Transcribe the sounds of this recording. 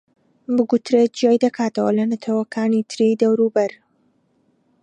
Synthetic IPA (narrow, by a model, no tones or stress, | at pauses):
bɨɡut̪ɾet̪̚d͡ʒijaːjd̪ɐkʰaːt̪ɐwɐlɐnɐt̪ʰɐwɐkʰaːnit̪ʰɨɾid̪ɐwɾuːbɐɾ